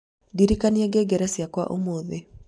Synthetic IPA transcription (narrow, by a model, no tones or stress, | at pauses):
diɾikanieɡeɡɛɾɛsjakwa̰ʔomoðe